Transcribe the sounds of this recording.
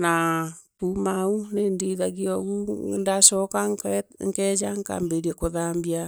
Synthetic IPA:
napumaunendiðaɣiɔɣundasɔkaŋkɛd͡ʒaŋka̰mbeɾekoðambia

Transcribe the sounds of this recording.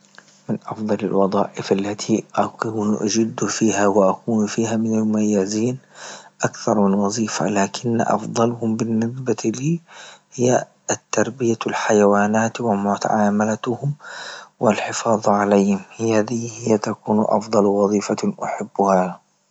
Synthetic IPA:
mɪnʔɑfd̪ˤɑlalwɑðˤɑːʔɪfalːat̪ʰiʔakuːnʔad͡ʒɪd̪ːufiːhawɪʔakuːnfiːhamɪnalmʊmajːaziːnʔakθɑɾˤmɪnwɑzˤiːfa̰laːkʰɪnːʔɑ̰fd̪ˤɑlhʊmbɪnːɪsbaliːhɪjːa | t̪ːɑɾˤbɪjalħajawaːnaːt̪wɪmʊt̪a̰ʕaːmalahʊmwɪlħɪfɑːðˤʕalaːhɪmhaðihɪjːat̪akuːnʔɑ̰fd̪ˤɑlwɑðˤiːfaʔaħabːʊha

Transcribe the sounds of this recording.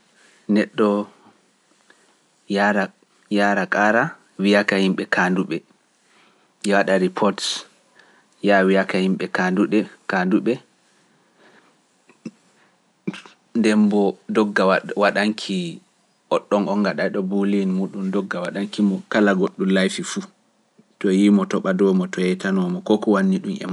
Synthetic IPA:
nɛɗːɔ | aɾa | jaɾakʼaɾa | wijakahimɓɛkʰaːnduɓɛ | jɛwaɗaɾipʰɔɾts | jawijakahimɓɛkanduɓɛkanduɓɛ | ndɛmbɔdɔɡːawaɗaŋkʰi | ʔɔɗːɔŋʔɔŋɡaɗajɗɔbulinmuːɗumdɔɡːawaɗaŋkimɔkalaɡoɗːumlajfifu | tɔjimɔtɔɓadɔmɔtɔjɛtanɔmɔkɔkɔwanːiɗumɛ̰ma

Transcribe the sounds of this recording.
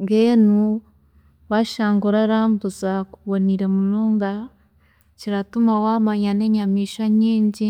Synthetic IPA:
ŋɡenu | βaʃaːŋɡuɾaɾambuzakuβoniɾemuluːŋda | ciɾatumawamaɲaneɲamiʃaɲiːɲɟi

